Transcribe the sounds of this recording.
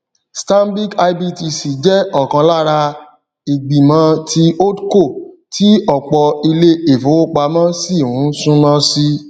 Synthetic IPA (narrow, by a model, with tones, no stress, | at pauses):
stã˦m˦bi˦ka˧˦bi˦ti˧si˨d͡ʒɛ˦ɔ˦˨kã˧la˦ɾa˧ | i˨ɡ͡bi˨mã˧˦ti˧o˦dko˦˨ | tʰi˦ɔ˦˨k͡pɔ˧i˧le˦e˨fo˨˦k͡pa˧mã˦si˦˨wũ˨˦sũ˦nã˦si˦